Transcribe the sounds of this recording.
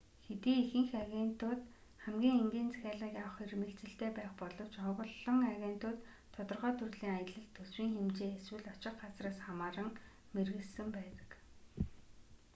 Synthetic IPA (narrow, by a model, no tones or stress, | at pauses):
xet̪iːexɘ̆ŋxaɣʲent̪ʊːt̪ | χæmɡʲiːŋeŋɡʲiːnt͡sæ̥xʲaːɮĭːkjawə̆χirmĕɬt͡sɘ̆ɬt̪eːpæːχpɔɮɞ̆w̥t͡ɕɔʁɞ̆ɮɞ̆ŋaɣʲen̥t̪ʊːt̪ʰː | ɔt̪ɞ̆rʁœːt̪ʰurɮiːŋajə̆ɮə̆ɮt̪ʰːɵswiːŋxemt͡ɕeːeswɘ̆ɮɔt͡ɕɪ̆q̚ɢat͡sraːsχamaːɾə̆ŋ | merɣɘ̆ɮsɘ̆mpæːt̪ə̥̆k